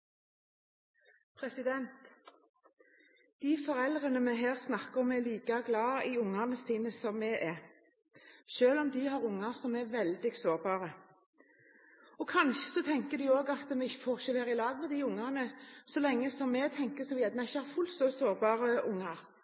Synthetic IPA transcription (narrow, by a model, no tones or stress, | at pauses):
pʰʁɛsɪd̪ɛnt̪ | d̪̥ifɔɾɛld̪ʁənəmɛɦeːʁsnɑkəɔmɛliːkɑɡlɑːɪʊŋːɑnəsiːnəsɔmːɛʔɛ | ʃøːlɔmd̪ihɑːʁʊŋːɑsɔmɛʋɛld̪ɪɡsoːʁbɑːʁə | ɔkʰɑnʃə̥sɔt̪ʰɛŋkəd̪ɪoːɡɑt̪mɛɪçəfɔʁʃəleːʁɪlɑːʋmɛd̪iʊŋːɑnəsɔlɛŋːəsɔmːɛt̪ʰɛŋkəsɔmʋɪɛmɛɪçːəhɑfʉlt̪sɔsoːʁbɑːʁəʔʊŋːɑʁ